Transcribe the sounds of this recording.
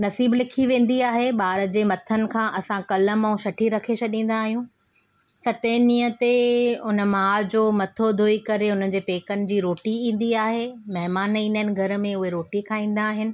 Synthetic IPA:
nɐsiːblɪkʰiʋẽːn̆d̪iaːɦeɓaːɾə̆d͡ʑeːmɐt̪ʰənɪ̆kʰãːʔɐsãkɐlə̆mɐ̃ũʃɐʈʰiɾɐkʰet͡ɕʰɐɗĩːn̆d̪aːɦijũ | sɐt̪enĩːət̪eʊnə̆maːd͡ʑoːmɐt̪ʰod̪ʱoːikɐɾeʊn̤ən̆d͡ʑeːpeːkənɪ̆d͡ʑiːɾoːʈiĩːn̆d̪iaːɦemɐɦɪmaːnĩːnənɪ̆ɡʱɐɾ̆mẽʊɦeɾoːʈikʰãːĩːn̆d̪aːɦɪnɪ̆

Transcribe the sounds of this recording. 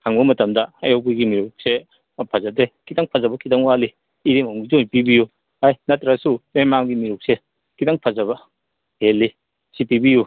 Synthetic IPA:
hʰaŋbɐmɐtɐmdɐɐjowbiɡimiɾuk̚se | pʰazadekitaŋpʰazɐbɐkʰitaŋwaliː | ɾemamɡizojpibiju | hajnɐtɾasumemaŋɡimiɾuk̚se | kitaŋpʰazɐβɐ | helːi | sipibiju

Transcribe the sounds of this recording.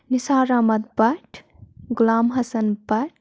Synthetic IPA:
nisaːɾaːmɐd̪̚bɐʈʰ | ɡulaːmɦɐsɐnbɐʈ

